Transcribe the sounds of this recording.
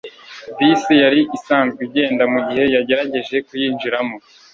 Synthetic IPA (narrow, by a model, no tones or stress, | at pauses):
visijaɾiʔisaːnzɡiɟe̞ːndamuɟihe̞jaɟe̞ɾaɟe̞ʒe̞kujiːnd͡ʒiɾamo̞